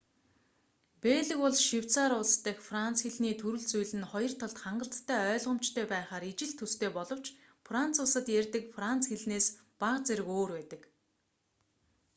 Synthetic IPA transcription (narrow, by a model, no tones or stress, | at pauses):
peːɮɘ̆kʊɮʃiw̥t͡saːɾʊst̪ə̆xfrant͡sxeɮniːt̪ʰɵɾɘ̆ɮt͡sujɮɘ̆nχɔjɞ̆r̥t̪ʰɔɮt̪χaɴɢə̆ɬt̪ʰːæːœːɮʁə̆m̥t͡ɕt̪ʰœːpæːχaːɾit͡ɕɪ̆ɮt̪ʰːɵst̪ʰeːpɔɮɞ̆w̥t͡ɕ | frant͡sʊsə̆t̪jærʲt̪ɘ̆kfran̥t͡sxeɮneːs | paqt͡seɾɘ̆koːrpæːt̪ə̆k